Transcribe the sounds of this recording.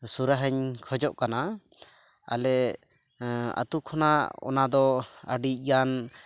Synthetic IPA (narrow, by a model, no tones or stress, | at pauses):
suɾaɦəɲkʰɔd͡ʒɔʔkana | a̰lɛ | a̰t̪ukʰɔnaɔ̰nad̪ɔəɖic̚ˀɡan